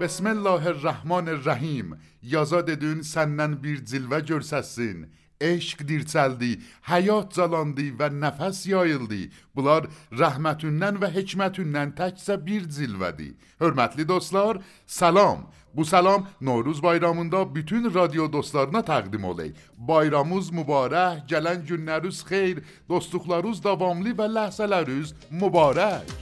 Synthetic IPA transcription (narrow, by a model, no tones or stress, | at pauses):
b̥esmelːɑːɦeræhmɑːneræɦiːmjɑzɑːd̪ed̪ynsænːænbiɾzilvæd͡ʒøɾsæsin | eʃqd̪iɾt͡sʰæld̪ihæjɒːt̪̚ʰzɑlɑnd̪ivænæfæsjɒːjeld̪ḭb̥ulɑd̪ɾæɦmæt̪ʰunːænvæɦecʰmæt̪ʰunːænt̪ʰæcʰsæbiɾzilvæ̰d̪ḭ | høɾmæt̪ʰlid̪ost̪lˠɑɾ | sælɑm | busælɑmnoɾuzbɑjɾɑmund̪ɑbit̪ʰynɾɑd̪ijod̪ost̪lɑɾnɑt̪ʰæʁd̪imo̰lḛj | bɑjɾɑmuzmubɑːɾæhɟælænd͡ʒunːæɾuz̥χejɾ | d̪̥ost̪luχlˠɑɾuzd̪ɑvɑmlivælæhzælæɾyz | mubɑːɾæc